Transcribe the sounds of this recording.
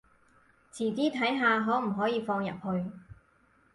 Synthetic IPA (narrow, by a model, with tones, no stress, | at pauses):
t͡sʰiː˨˩t͡siː˥t̪ʰɐ˨˥jɦaː˨˧ɦɔː˨˥m̩˨˩ɦɔː˨˥jiː˨˧fɔː˧ŋjɐ̰˨p̚hɵ˧ɥ